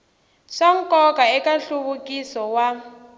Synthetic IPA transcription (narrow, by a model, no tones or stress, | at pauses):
ʂaŋ̩kɔkaɛkaɬuβukisɔwa